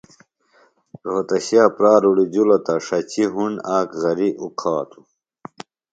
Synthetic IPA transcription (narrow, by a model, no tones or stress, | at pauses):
ɾoːt̪ɐɕjaːpɾaːɾuɽid͡ʑulɐt̪ɐʂɐt͡ɕʰiɦunaːkɣɐɾiʔuqʰaːt̪ʰu̥